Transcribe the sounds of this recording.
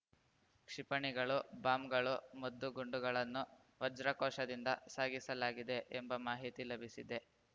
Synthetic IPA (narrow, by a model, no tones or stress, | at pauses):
kʂipɐɳiɡɐɭubaːmɡɐɭumɐd̪ːuɡuɳɖuɡɐɭɐnːu | ʋɐd͡ʒɾɐkɔːʂɐd̪ind̪ɐ̰saːɡisɐlaːɡid̪e̞ʔembɐmaːɦit̪ilɐbʱisid̪e̞